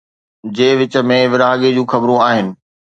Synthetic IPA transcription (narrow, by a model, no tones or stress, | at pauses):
d͡ʑeːʋɪt͡ɕə̆mẽʋɪɾaːɠed͡ʑũːxɐbɾũaːɦɪnɪ̆